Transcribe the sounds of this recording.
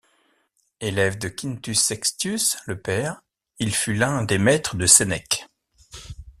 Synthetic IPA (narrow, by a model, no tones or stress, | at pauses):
elɛvd̪əkʲint̪ysːɛkst̪ysləpɛːʁ | ilfylɛ̃d̪emɛt̪χəd̪əsenɛk